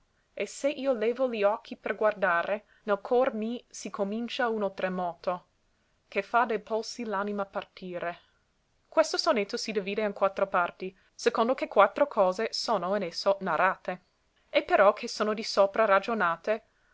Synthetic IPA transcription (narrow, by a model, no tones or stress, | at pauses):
eseʔiːolɛːvoliɔkʰːiperɡward̪aːɾʔe | nelkʰɔrmisikʰomint͡ʃaunot̪ɾemɔːt̪o | kʰefad̪ejpolsilanimapart̪ʰiːɾe | kwest̪osonet̪ːosid̪iviːd̪eenkwat̪ːɾopart̪i | sekond̪okekwat̪ːɾokʰɔːzesoːnoenesːonaɾaːt̪e | epːeɾɔkʰesoːnod̪isoːpɾarad͡ʒonaːt̪e